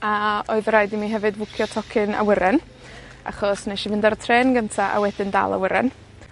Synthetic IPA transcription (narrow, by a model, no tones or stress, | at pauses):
aɔɨðəɾajdimiːɦɛvɨdvʊkʰjɔtʰɔkʰɪna̰wəɾɛn | a̰χɔsnɛʃivɪndaɾətʰreːnɡəntʰaʔa̰wɛdɪnda̰lˠa̰wəɾɛ̰n